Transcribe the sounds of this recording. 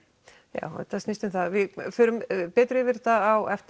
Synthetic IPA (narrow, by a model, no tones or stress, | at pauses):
ja̰ːwɛ̰t̪ast̪ɪst̪ʏmθaðvɪðfʏːɾʏmpɛːt̪ɾʏɪvɪɾ̥θaðawɛft̪